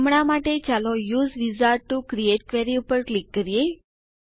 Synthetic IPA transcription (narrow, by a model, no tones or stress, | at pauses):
mɳamaʈet͡ɕalɔjuːzʋid͡zaɾ̚ʈːukɾijeʈkʋɛɾiupəɾklikːəɾije